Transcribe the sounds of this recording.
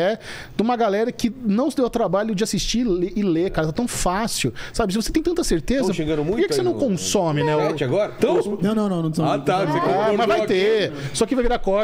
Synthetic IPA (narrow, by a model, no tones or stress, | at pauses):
ɛ | d̪ũmɐɡalɛɾɐkɪnɐ̃w̃sɪd̪ewat̪ɾabaʎʊd͡ʒɪasist͡ʃieʔɪlekaɾɐt̪at̪ɐ̃w̃fasiʊsabɪsɪvoset̪ẽj̃t̪ɐ̃t̪ɐseɾt̪ezɐʃẽɡɐ̃nʊmũkɛkɪsenɐ̃w̃kõsõmɪnɛɛt͡ʃɪaɡɔɾɐt̪ɐ̃nɐ̃w̃nɐ̃ɐ̃w̃nɐ̃w̃sat̪asekamɐzvajt̪esɔkɪvajviɾakɔ